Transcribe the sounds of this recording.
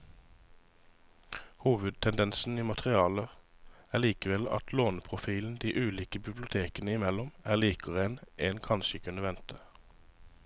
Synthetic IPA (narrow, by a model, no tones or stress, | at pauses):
huːʋəd̪̚t̪ʰɛnd̪ɛnsn̩iːmɑt̪ʁɪɑːləæːʁliːkəʋɛlɑ̰t̪ʰloːnpʰʁʊfiːln̩d̪iːʔʉːliːkəbɪblʊt̪ʰeːkənəɪmɛlɔmæːʁliːkɔʁeːnʔeːnkʰɑnʃəkʰʉnəʋɛnt̪ʰə